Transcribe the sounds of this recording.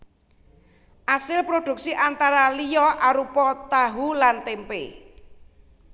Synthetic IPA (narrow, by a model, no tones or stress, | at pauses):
ʔasɪlpɾod̪̥ṳk̚siʔant̪aɾalijɔʔaɾupɔt̪aɦulant̪empḛ